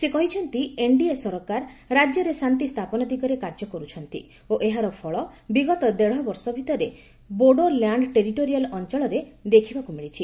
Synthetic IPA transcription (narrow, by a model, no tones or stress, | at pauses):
sekɔɦit͡ʃʰɔnt̪ieɳɖiesɔɾɔkaɾɾad͡ʒjɔɾesant̪ist̪ʰapɔnɔd̪iɡɔɾekaɾd͡ʒɔkɔɾut͡ʃʰɔnt̪ḭ | oʔeɦaɾɔpʰɔɭɔbiɡɔt̪ɔd̪eɽɦɔbɔɾsɔbʱit̪ɔɾe | boɖoljaɳɖʈeɾiʈoɾialɔnt͡ʃɔɭɔɾed̪ekʰibakumiɭit͡ʃʰi